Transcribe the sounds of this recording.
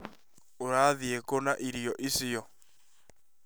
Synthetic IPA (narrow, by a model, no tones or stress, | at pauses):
oɾaðiekonaʔiɾiɔʔisɪɔ